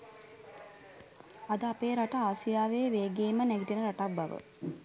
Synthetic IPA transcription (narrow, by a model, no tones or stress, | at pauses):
ad̪əapeːɾaʈəaːsijaːʋeːʋeːɡeːmənɛɡiʈienəɾaʈak̚baʋə̰